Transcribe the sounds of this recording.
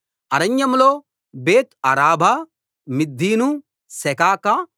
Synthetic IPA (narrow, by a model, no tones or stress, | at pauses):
ɐɾɐɲjɐmloː | beːt̪ɐɾaːbʱa | mid̪ʱːiːnu | sɛkaːkaː